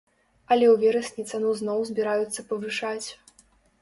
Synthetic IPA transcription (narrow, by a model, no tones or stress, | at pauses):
ɐlʲɛwvʲɛɾɐsʲnʲit̪sanuznɔwzʲbʲiɾajut̪sːɐpɐvɨʂat͡sʲ